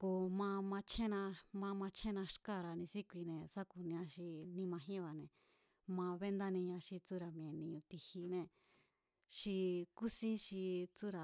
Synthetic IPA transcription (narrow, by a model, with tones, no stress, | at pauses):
ko˧mã˧mã˧t͡ʃʰẽ˦nã˧mã˧mã˧t͡ʃʰẽ˦˧nã˧ʃka˦˨ɾa˧nĩ˧si˦kʷi˧nẽ˨sa˦ku˧nĩ˧ã˧ʃi˧nĩ˧mã˧ɦĩ˦βa˧nẽ˨ | mã˧βe˦nd̪a˦nĩ˧ɲã˧ʃi˧t͡su˦ɾa˨mĩ˧ẽ˨nĩ˧ũ˧t̪i˧hi˧nẽ˧ | ʃi˧ku˦sĩ˦ʃi˧t͡su˦ɾa˨